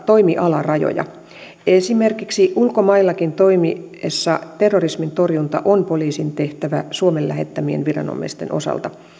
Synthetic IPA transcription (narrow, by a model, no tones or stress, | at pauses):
t̪o̞jmiʔɑlɑrɑjo̰jɑ̰ | esime̞rkiksiʔulkomɑilːɑkint̪o̞imiesːɑt̪erːorismint̪o̞rjunt̪ɑ̰ʔonpo̞liːsint̪e̞ht̪æʋæsuomellːæɦe̞t̪ːæmie̞̰nʋirɑ̰no̰mːˑḭst̪enʔo̞̰sɑ̰lt̪ɑ